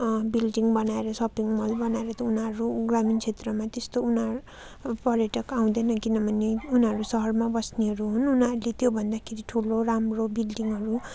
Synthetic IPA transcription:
bilɖiŋɡbʌnaeɾʌsʌpiŋɡmʌlbʌnaeɾʌt̪ʌunɦʌɾuɡramint͡sʰet̪rʌmat̪est̪ounɦʌ | pʌɾjʌʈʌkaw̃d̪ʌnʌkinʌbʱʌneunɦʌɾusʌɦʌrmabʌsneɦʌɾuɦununaɾulet̪jobʱʌnd̪akʰeɾiʈʰuloramrobilɖiŋɡɦʌɾu

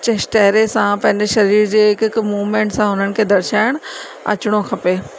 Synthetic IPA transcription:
t͡ɕesʈɐɦɪɾesãpɐ̃ɦɪ̃ɲd͡ʑeʃɐɾiːɾd͡ʑeːɦɪkɪkmuːʋmẽːɳʈsãɦʊnənɪ̆kʰeːd̪ɐɾt͡ɕaːɪɽ̃ | ɐ̰t͡ɕʊɽ̃okʰɐpeː

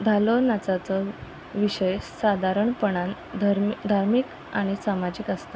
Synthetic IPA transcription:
d̪ʱalonat͡sat͡sə | ʋiɕejɕsad̪ʱaɾəɳpəɳan | d̪ɾd̪ʱaɾmiːk | aɽ̃isamad͡ʑiːkast̪ə

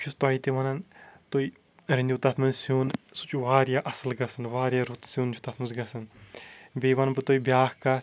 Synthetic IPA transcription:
pʰist̪aːit̪iʋɐnɐnt̪oi | ɾɐnʲd̪ʲut̪ɐt̪ʰmɐnsuːnsu̥t͡ʃuʋaːɾjaʔɐsɨlɡɐsɐnʋaːɾjaɾut̪suːnd͡ʒʰu̥t̪ɐt̪ʰmɐzɡɐsɐn | bʲeːʋɐnbɨt̪oibjaːhka

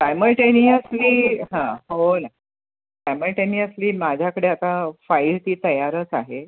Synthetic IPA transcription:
sajməɭʈeniːəsliːɦãɦona | sajməɭʈeniːəsliːmad͡ʑʱjakəɽeat̪afailt̪iːt̪əjaɾət͡saɦe

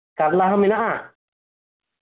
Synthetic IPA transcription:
kaɾlaɦɔminaʔa

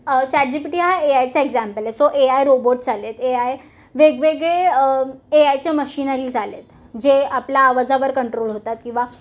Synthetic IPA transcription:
t͡ɕaʈ̚d͡ʑipiʈiɦaeajt͡saeɡd͡zæmpəlesoʔeajɾoboʈ̚d͡zʱalet̪eaj | ʋeɡʋeɡɭeː | ajt͡ɕjaməɕiːnaɾiːld͡zʱalet̪ | d͡ʑeapljaːʋad͡zaʋəɾkəɳʈɾolɦot̪at̪̚kĩw̃ʋa

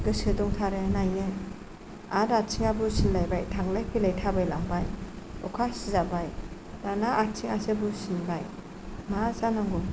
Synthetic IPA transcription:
ɡ̥ɯsɯdɔŋtʰaɾenajɯn | aɾatsiŋabusillajbajtʰaŋlajpʰilajtʰabajlaŋbaj | ɔkʰasizabaj | danaʔːtsʰiŋasebusinbaj | masanaŋɡu

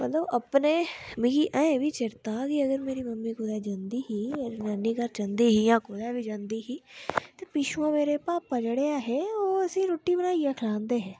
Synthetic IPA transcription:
mət̪ləbəpneːmĩɡiːʔɛ̃ʋiːt͡ʃɪɾt̪aːkiːəɡəɾmeːɾiːməmːiːkʊd̪ɛːd͡ʒãːnd̪iːɦiːnaːniːkəɾt͡ʃə̃nd̪iːɦiːjãːkʊd̪ɛːbiːd͡ʒãːnd̪iːɦiːt̪eːpɪʃʋãːmeːɾepaːpːəd͡ʒɽeaːɦɛːoːəsĩːɾoːʈːiːbənaːijeːkʰɪlãːnd̪eːɦɛ̃ː

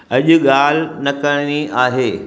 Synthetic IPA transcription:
ɐʄʊ̆ɠaːl̤nɐkəɽ̃niaːɦeː

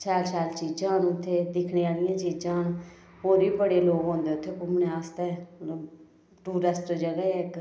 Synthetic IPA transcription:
t͡ʃaːɾsaːlt͡ʃiːd͡ʒãːɦnʊt̪ʰːeːd̪ɪkʰneːaːlɪjãːt͡ʃiːd͡ʒãːɦən | ɦoːɾiːbəɽeːloːɡɦõːnd̪eːʊt̪ʰːeːkʊmneːaːst̪eː | ʈuːɾəsʈd͡ʒəɡaːeɪk

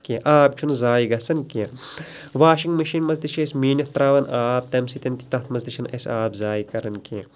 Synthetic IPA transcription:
keʔaːp̚t͡ʃʰunzaːiɡɐsɐnkẽ | ʋaːʃiŋɡmɐʃinmɐzd̪iʃesʲmiːnɐt̪ɾaːʋɐnaːp̚t̪ɐmsit̪ɐnt̪i̥t̪ɐt̪ʰmɐzd̪iʃɐnɐ̰sʲaːbzaːikɐɾɐnke

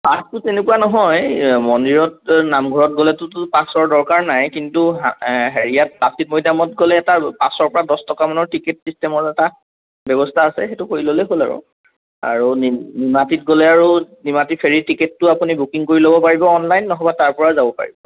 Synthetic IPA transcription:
paskutenekuanɔɦɔjmɔndiɹɔt̚namɡʱɔɹɔt̚ɡolɛtʊtpãsɔɹdɔɹkaɹnajkintuɦɦeɹijat̚pasit̚mɔjdamɔt̚ɡolɛːtapasɔɹpɔɹadɔstɔkamanɔɹtiketsistɛmɔɹɛta | bɛbɔstʰaːsɛ̰xetʊkoɹilolɛɦola̰ɹṵ | a̰ɹunnimatit̚ɡolɛaɹunimatipʰeɹitiketːʊapunibukiŋkoɹilobɔpaɹibɔːnlajnːɔɦɔbataɹpɔɹazabɔpa̰ɹḭbɔ

